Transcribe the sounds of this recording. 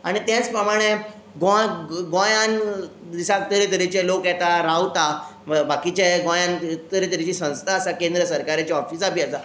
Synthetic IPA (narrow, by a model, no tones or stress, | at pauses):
aɽ̃it̪jãt͡spɾəmaɽ̃e | ɡõɡõjãn | d̪isak̚t̪əɾit̪əɾit͡ɕẽlokjɛt̪aɾawt̪a | bakit͡ɕeɡõjãnt̪əɾit̪əɾit͡ɕisə̃w̃st̪ʰaːsakẽnd̪ɾəsəɾkaɾat͡ɕaɔfisapiəsa